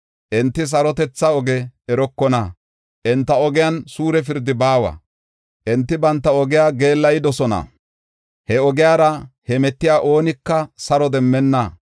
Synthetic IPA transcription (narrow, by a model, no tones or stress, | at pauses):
ʔɛnt̪ːɪs̬ɐɾɔt̪ɛt͡sːɐɔɡɛɛɾɔkːɔnɐ | ʔɛnt̪ːɐɔɡɪjansuːɾɛf̬ɪɾd̪ɪbaːwɐ̰ | ʔɛnt̪ːɪbɐnt̪ːɐɔɡɪjaːɡe̞ːlːɐjɪd̪ɔsɔnɐ̰ | hɛɔɡɪjaːɾɐhɛmɛt̪ːɪjaːʔo̞ːnɪkːɐsɐɾɔd̪ɛmːɛnːɐ